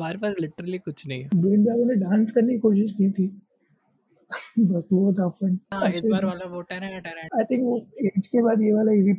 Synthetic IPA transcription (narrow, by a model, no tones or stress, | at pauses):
baːɾpɐɾlɪʈəɾəlikʊt͡ʃʰnɐɦĩɛbeːnbjaːɡõneɖãːnskɐɾnekikoːʃ̬ɪʃkit̪ʰiː | bɐsbɔːɔt̪̬ɔfə̃nɐalaoːʈɛɾaʈɛɾaɪt̪ʰɪ̃ŋkʋoeːd͡ʒkebaːd̪jeʋaːlaɪs̬i